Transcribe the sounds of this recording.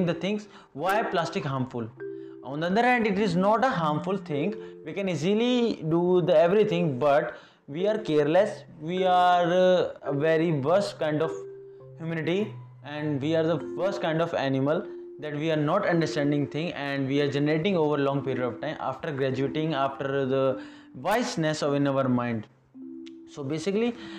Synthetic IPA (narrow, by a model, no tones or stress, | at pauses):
ŋd̪ət̪ʰɪ̃ŋɡs | ʋaɪplaːsʈɪkɦaːɾmfʊlʔɔ̰̃nd̪əɐnd̪əɾɦɛ̃ːɳɖɪʈɪznɔːʈəɦaːɾmfʊlt̪ʰɪ̃ŋɡʋiːkɛ̃niziliɖuːd̪ɛʋɾit̪ʰɪ̃ŋɡbɐʈ | ʋiːaːɾkeːɾles | ʋiaːɾəʋeɾiʋəɾsʈkãɪ̃ɳɖɔf | hjumɪ̃nɪʈi | ɛ̃ɳɖʋiːaːɾd̪əfəɾsʈ̚kãɪ̃ɳɖɔfæ̰nɪməl | d̪æʈʋiːaːɾnɔːʈɐ̃ɳɖəɾsʈɛ̃ɳɖɪ̃ŋɡt̪ʰɪ̃ŋɛ̃ɳɖʋiːaːɾd͡ʒɛnəɾeːʈɪ̃ŋɡoːʋəɾlɔ̃ːŋɡpiːɾiəɖɔʋʈãɪ̃mʔa̰ːfʈəɾɡɾæd͡ʒueːʈɪ̃ŋaːfʈəɾd̪ə | ʋaɪsnɛsɔʋɪ̃naʋəɾmãɪ̃ɳɖ | soːbeːsɪkli